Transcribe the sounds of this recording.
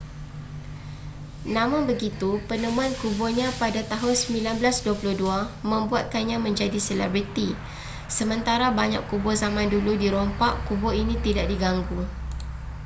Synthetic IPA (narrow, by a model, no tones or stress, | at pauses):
nãmãnbəɡit̪upənəmũankubɔɲãpadat̪aɦʊnsəmilanblasduapulʊhduamə̃mbuat̪̚kanɲãmə̃ɲd͡ʒadisəlɛ̰bɾit̪i | səmə̃nt̪aɾabaɲãkːubɔzamãnduludiɾɔmpaʔkubɔinĩt̪idaʔ̚diɡaŋɡu